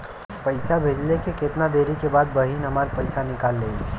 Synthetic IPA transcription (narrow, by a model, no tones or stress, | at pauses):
pəɪsabʱeːd͡ʒlekeket̪nad̪eːɾikebaːd̪̚bɐɦiːnɦɐmaːɾpɐɪsanɪkaːlːeː